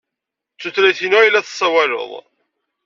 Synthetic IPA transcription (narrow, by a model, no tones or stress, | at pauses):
t͡sːuθlæθinuæjlːæθsˤːæwælo̰ðˤ